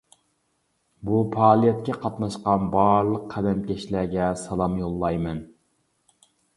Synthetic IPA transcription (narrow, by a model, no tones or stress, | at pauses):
bupʰɑːlˠijɛt̪̚kʲɛqʰɑt̪nɑʃqɑnbɑɾlˠəqʰːæd̪ɛmkʲeʃlæɡʲɛsɑlˠɑmjolˠːɑjmɛn